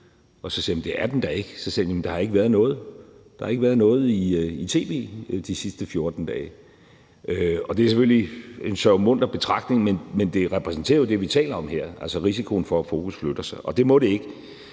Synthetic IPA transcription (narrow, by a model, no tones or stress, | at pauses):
ɒ̽sɒ̽siɐm̩d̥e̝æɐd̥end̥ɑ̈e̝ɡ̥sɒsiɐjæmnd̥ɑ̈hɑ̈e̝ɡ̥əʋæɐðˠnɔ̽ːð̞̩ˠd̥ɑhɑ̈e̝ɡ̥ʋæːɐð̞ˠnɔ̽ːð̩ˠiit͡sʰe̝̰ːʋe̝̰ːd̥isisd̥əfjo̝ɐd̥n̩d̥ɛː | ʔøɒ̽d̥e̝æɐsefølie̝nsœʊmɔ̽n̰d̥ɐb̥e̝t͡sʰʁɑ̈ɡ̥d̥ne̝ŋmenmend̥e̝ʁɛpʰʁɛsn̩t͡sʰe̝̰ːɐjod̥e̝ʋit͡sʰɛ̰ːlɐɒ̽mheɐ̰ælsəʁis̬ikʰo̝n̩fɒ̽æfo̝ːkʰusflød̥ɐsɑ̈ɪʔɒ̽d̥e̝mɔ̽ɾe̝e̝ɡ̥